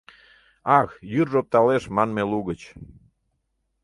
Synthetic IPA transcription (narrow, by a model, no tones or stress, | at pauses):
ɑxjyrʒop̚t̪ɑleʃmɑnmeluɣət͡ɕ